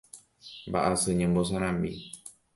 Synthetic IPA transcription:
mba̰ʔasɨɲẽmbos̬ãɾ̃ãmbḭ

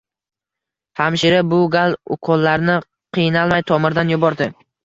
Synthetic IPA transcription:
hamʃɪɾabʊɡalˠʊ̰qʰɒlˠːaɾnɪ | qʰɨjnalˠmajt̪ʰɒmɪɾd̪anjʊbɒɾd̪ɪ

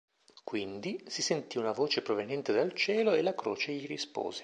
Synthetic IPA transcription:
kwind̪isisent̪iunavoːt͡ʃepɾovenjɛnt̪ed̪alt͡ʃɛːloelakɾo̰ːt͡ʃeʎiɾispo̰ːze̥

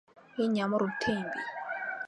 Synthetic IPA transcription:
iɲamɔɾutʰembḭ

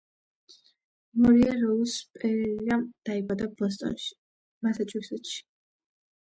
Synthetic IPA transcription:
mɔɾiaɾɔlspʼɛɾiamd̪̥aibad̪abɔs̬t̪ʼɔ̰nʃi̥ | masat͡ʃʼuksɛt̪ʃi̥

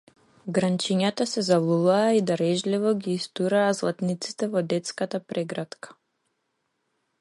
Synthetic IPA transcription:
ɡɾant͡ʃiɲat̪asɛzavlˠulˠaːid̪aɾɛʒlivɔɡʲiːst̪uɾaːzlˠat̪nit̪si̥t̪ɛvɔd̪ɛt̪skat̪apɾʔɛɡɾat̪kḁ

